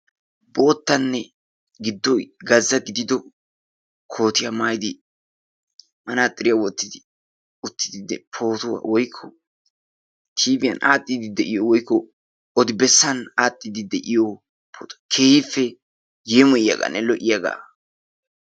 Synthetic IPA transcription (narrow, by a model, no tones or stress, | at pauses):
bo̞ːt̪ːɐnːɛ | ɡɪd̪ːɔɡɐzːɐɡɪd̪ɪd̪ɔ | kʰo̞ːt̪ɪjamaːjd̪ɪ | mɐnaːt̪ʼːɪɾɪjawɔt̪ːɪd̪ɪ | ʊt̪ːɪ̥d̪ɪd̪ɛpʰo̞ːt̪ʊwa̰ːwɔjkʰːɔ | t̪ʰiːbɪjɐ̰nʔaːt̪ʼːɪd̪ɪd̪ɛʔɪjɔwɔjkːɔ | ɔd̪ɪbɛsːɐnaːt̪ʼːɪd̪ɪd̪ɛʔɪjo | pʰoːt̪ʊkʰe̞ːhɪfːɛ | jeːmɔjɪjɐ̰ɡɐ̰nːɛlɔʔɪjaɡa̰ː